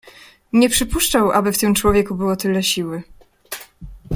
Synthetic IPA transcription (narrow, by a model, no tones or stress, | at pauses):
ɲɛpʂɘpuʂt͡ʂawʔa̰bɘft̪ɘmt͡ʂwɔvʲjɛkubɘwɔt̪ɘlɛɕiwɘ